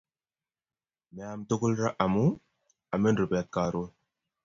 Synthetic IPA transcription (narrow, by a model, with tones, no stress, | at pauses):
mɛ˨a˨mto˦ku˦lɾa˦ʔa˨mu˦ | a˨me˦ndu˨bɛ˨t̚ka˨ɾo˦